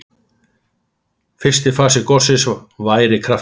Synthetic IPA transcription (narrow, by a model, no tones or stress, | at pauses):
fɪr̥st̪ɪfaːsɪkɔr̥sɪsvaːjɾɪkʰɾa